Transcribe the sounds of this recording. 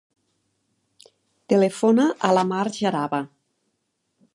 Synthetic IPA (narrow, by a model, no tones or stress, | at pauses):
t̪elefonaʔalamaɾʒaɾaβa